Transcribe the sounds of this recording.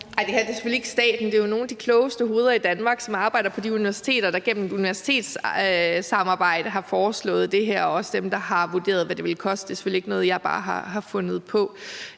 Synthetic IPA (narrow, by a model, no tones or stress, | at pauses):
ʔɑ̈ɪd̥e̝hæɐd̥e̝si̥følieɡ̥əsd̥ɛ̰ːd̥n̩d̥e̝jono̝ːnd̥ikʰlɔ̽ʊsd̥əɦo̝ːð̞ˠɐid̥ænmɑ̈ːɡ̥sɒ̽mɑ̈ːb̥ɑ̈ɪ̰d̥ɐpʰɒ̽d̥iuniʋæɐsi̥t͡sʰe̝̰ːɾ̥ɐd̥ɑ̈ɡ̥en̰m̩eduniʋæɐsi̥t͡sʰe̝̰ːd̥s | sɑ̈mɑ̈ːb̥ɑ̈ɪ̰d̥əɦɑ̈fɒːslɔ̰̽ːð̞̩ˠd̥e̝ɦæɐ̰ɒɒ̽səd̥emd̥ɑ̈hɑ̈ʋud̥e̝̰ːɐð̞̩ˠʋæde̝ʋe̝lkʰɒ̽sd̥d̥esi̥følieɡ̥ənɔ̽ːð̞̩ˠjɑɪb̥ɑ̰̈ːɦɑɦɑ̈fɔ̽nð̞̩ˠpʰɒ̽